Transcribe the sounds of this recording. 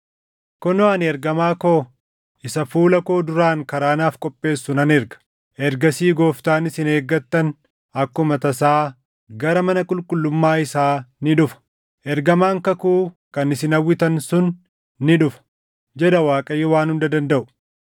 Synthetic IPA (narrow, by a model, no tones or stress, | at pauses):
kɔnɔɐnɛɾɡɐmaːko̞ː | ʔɪsɐfuːlɐko̞ːd̪ʊɾaːŋkɐɾaːnaːfkʼɔpʼːe̞ːsːʊnɐnɛɾɡɐ̥ | ʔɛɾɡɐsiːɡoːft̪aːnɪsɪne̞ːɡːɐt̪ːɐn | ɐkːʊmɐt̪ɐsaː | ɡɐɾɐmɐnɐkʼʊlkʼʊlːʊmːaːɪsaːnɪᶑʊfɐ̥ | ʔɛɾɡɐmaːŋkɐkuː | kɐnɪsɪnɐwːɪt̪ɐnsʊnː | ɪᶑʊfɐ̥ | d͡ʒɛd̪ɐwaːkʼɐjːɛwaːnhʊnd̪ɐd̪ɐnd̪ɐʔʊ̥